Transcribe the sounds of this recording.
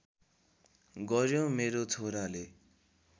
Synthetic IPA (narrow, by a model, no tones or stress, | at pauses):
ɡʌɾjõmeɾot͡sʰoɾale